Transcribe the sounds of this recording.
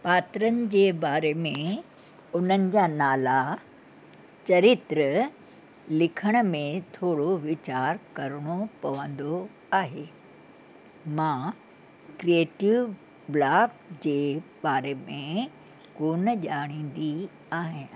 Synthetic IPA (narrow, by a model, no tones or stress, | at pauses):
paːt̪ɾənɪ̆d͡ʑeːbaːɾemẽ | ʊn̤ənɪ̆d͡ʑaːnaːla | t͡ɕɐɾɪt̪ɾə | lɪkʰəɽ̃ə̆mẽt̪ʰoːɽoʋɪt͡ɕaːɾkɐɾəɽ̃opɐʋə̃nd̪o | aːɦeː | mã | kɾieːʈɪʋ | blaːk̚d͡ʑeːbaːɾemẽ | koːnəʄaːɽ̃ĩːn̆d̪i | aːɦɪ̃